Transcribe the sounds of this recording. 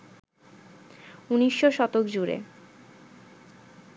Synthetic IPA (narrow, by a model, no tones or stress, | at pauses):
uniʃːoʃɔt̪okd͡ʑuɾḛ